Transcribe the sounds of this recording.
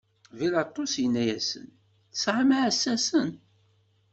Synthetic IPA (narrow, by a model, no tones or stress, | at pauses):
vilɑt̪ˤːosjənːæjæsə̰n | θsʕamaʕsːæsən